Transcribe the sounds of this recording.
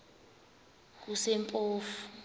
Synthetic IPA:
k̬usɛmpʼoːfu̥

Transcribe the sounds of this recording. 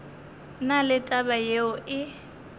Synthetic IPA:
nalɪtʼabajeʊʔɪ

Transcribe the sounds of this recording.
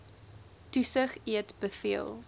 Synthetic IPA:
tusəχiətbəfiəlˠ

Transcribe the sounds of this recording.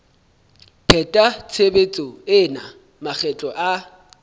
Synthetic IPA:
pʰɛtʼat͡sʰebet͡sʼɔɪna | mak͡xʰɛt͡ɬʼɔʔa

